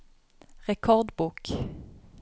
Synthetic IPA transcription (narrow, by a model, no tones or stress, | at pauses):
ʁɛkʰɔʁd̪buːk